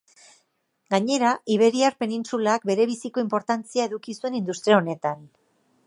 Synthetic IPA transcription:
ɡaɲe̞ɾaʔiβ̞e̞ɾiaɾpe̞nint͡sulaːk̚be̞ɾe̞βisiko̞impo̞ɾt̪ant͡siae̞ðukisue̞nind̪ust̪ɾiaone̞t̪an

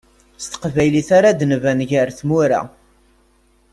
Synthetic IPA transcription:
st̪ə̥qvæjliθaɾad̪nvænʝæɾθmuɾa̰

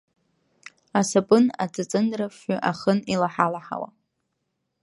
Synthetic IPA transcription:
asapʼɨna̰t͡sʼɨt͡sʼɨndraʃʏʔaχənilaħalaħa̰wa̰

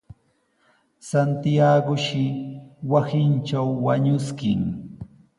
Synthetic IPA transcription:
sant̪ɪjaɢʊʃɪwasɪnt͡ʃawːaɲʊskɪŋ

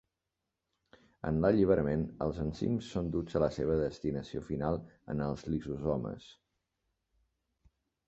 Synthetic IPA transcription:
ə̰nləʎiβ̞əɾəmenə̰lˠzənsḭmsːond̪ud͡zələseβ̞əðəst̪inəsiofinalˠə̰nəlˠzlizuzɔmə̰s

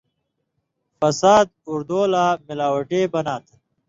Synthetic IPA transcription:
fɐsaːd̪̚uɾd̪oːlaːmilaːwɐʈeːbɐnaːt̪ʰ

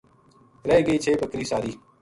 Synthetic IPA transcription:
ɾɛeːɡəiːt͡ʃʰeːbəkɾiːsaːɾiː

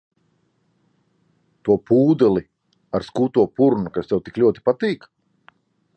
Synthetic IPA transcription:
t̪uɔpuːd̪ɛlˠi | aɾskuːt̪uɔpuɾnukast̪ɛwt̪iklʲuɔt̪i̥pat̪iːk

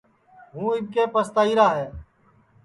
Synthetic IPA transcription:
ɦũːɪmkeːpəst̪aːiːɾaːɦɛː

